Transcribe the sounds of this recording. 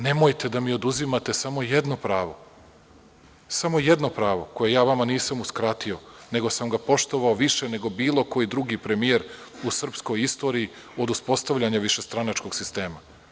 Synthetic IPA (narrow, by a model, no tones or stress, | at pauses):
nemo̞jt̪e̞d̪amio̞d̪uzimat̪esamo̞jed̪no̞pɾaːʋo̞ | samo̞jed̪no̞pɾaːʋo̞ko̞je̞jaːʋamaniːsamuskɾat̪io̞ne̞ɡo̞samɡapo̞ʃt̪o̞ʋaoʋiʃene̞ɡo̞biːlˠo̞ko̞jid̪ɾuɡipɾe̞mie̞ɾ | usr̩psko̞jist̪o̞ːɾiː | o̞d̪uspo̞st̪aʋʎaɲaʋiʃe̞st̪ɾanat͡ʃko̞ɡ̥sist̪e̞ːma